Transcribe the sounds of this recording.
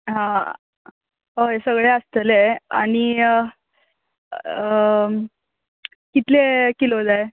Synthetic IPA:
ɦã | ɦoesəɡɭeəst̪əlea̰ɽ̃i | kit̪lekilod͡zae

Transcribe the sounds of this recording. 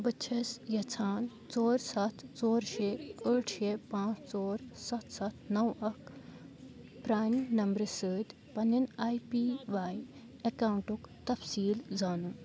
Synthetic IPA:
bɐt͡ʃʰɐsjɐt͡sʰaːn | t͡soːɾsɐt̪ʰt͡soːɾʃeəːʈʰʃepãːt͡st͡soːɾsɐt̪ʰsɐt̪ʰnɐwɐk | pɾaːnnɐmbɾɨsəːd̪ | pɐninaːjpiːʋaːj | ɐkaːwɳʈukt̪ɐfsiːlzaːnu

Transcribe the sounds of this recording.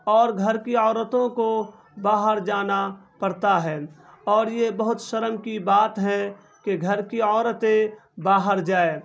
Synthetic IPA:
ɔːɾɡʱəɾkiɔːɾət̪õko | baːɦəɾd͡ʒaːnapəɽt̪aɦɛː | ɔːɾjebəɦʊt̪ʃəɾəmkibaːt̪ɦɛ̃ | keɡʱəɾkiɔːɾət̪ebaːɦəɾd͡ʒaːeː

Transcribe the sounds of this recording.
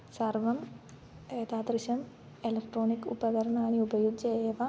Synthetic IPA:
sɐrʋɐm | eːt̪aːd̪rɨɕɐm | elɐkʈroːnikːṵbɐɡɐɾɐɳaːɳiubɐjud͡ʑeʋɐ

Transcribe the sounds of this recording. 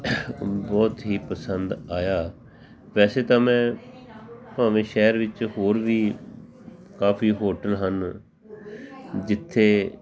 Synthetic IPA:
bɔːt̪ɦiːpəsənd̪aːjaː | ʋɛːseːt̪ãːmɛ̃ː | pãːʋẽːʃɛːɾʋɪt͡ʃɦoːɾʋiː | kaːfʰiːɦoːʈəlɦən | d͡ʒɪt̪ʰːeː

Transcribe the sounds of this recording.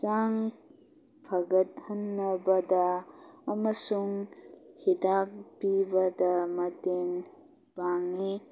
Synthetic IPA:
t͡ʃaŋ | pʰɐɡɐt̚hɐnːɐbɐdɐː | mɐsuŋhidak̚pibɐdɐmɐten | b̥aŋi

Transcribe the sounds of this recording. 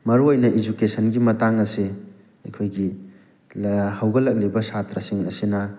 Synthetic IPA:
mɐɾuojnɐʔid͡ʒukesɐnɡimɐtaŋɐsi | ɐjkʰojɡi | hɐwɡɐlɐk̚libɐsatɾɐsiŋɐsinɐ

